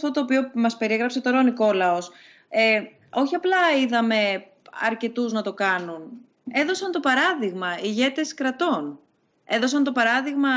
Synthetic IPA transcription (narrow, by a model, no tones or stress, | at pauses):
ft̪o̞t̪oːpio̞mɐspe̞ɾieɣɾɐpse̞t̪oɾoniko̞lɐos | e | o̞çiɐplɐiðɐme̞ | ɐ̰ɾce̞t̪uznɐt̪o̞kɐnun | e̞ðo̞sɐnt̪o̞pɐɾɐðiɣmɐiʝe̞t̪e̞skɾɐt̪o̞n | e̞ðo̞sɐnt̪o̞pɐɾɐðiɣmɐ